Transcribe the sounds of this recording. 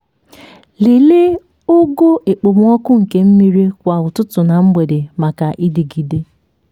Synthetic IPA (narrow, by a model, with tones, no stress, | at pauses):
li˨le˦ | o˦ɡo˦ʔe˨k͡po˨m̩˦ɔ˦kʊ˦ŋ̩˨ke˦m̩˦mi˦ɾi˦kʷa˨ʊ˨tʊ˦tʊ˨na˨m̩˦ɡ͡be˨de˨ma˨ka˨ʔi˦di˨ɡi˨de˦